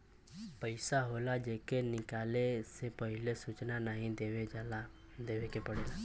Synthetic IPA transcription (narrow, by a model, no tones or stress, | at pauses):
pəɪsaɦoːlad͡ʒeːkenɪkaːlesepəɦɪlesut͡ʃnanəɦĩd̪eweal | d̪eːʋekepəɽeːla